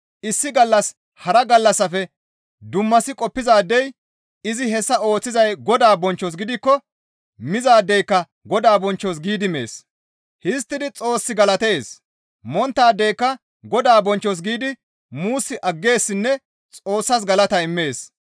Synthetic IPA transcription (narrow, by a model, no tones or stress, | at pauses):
ʔɪsːɪɡɐlːɐs | hɐɾɐɡɐlːɐsːɐfɛ | d̪ʊmːɐsɪkʼɔpːɪzaːd̪ːɛj | ɪzɪɦɛsːɐo̞ːt͡sːɪzɐjɡɔd̪aːbɔnt͡ʃːɔs̬ɡɪd̪ɪkːɔ | mɪzaːd̪ːɛjkːɐ | ɡɔd̪aːbɔnt͡ʃːɔs̬ɡiːd̪ɪme̞̰ːs | hɪs̬t̪ːɪd̪ɪt͡sʼo̞ːsːɪɡɐlɐt̪eːs | mɔnt̪ːaːd̪ːɛjkːɐ | ɡɔd̪aːbɔnt͡ʃːɔs̬ɡiːd̪ɪ | muːsːɪʔɐɡːe̞ːsːɪnːɛ | t͡sʼo̞ːsːɐs̬ɡɐlɐt̪ɐɪmːe̞ːs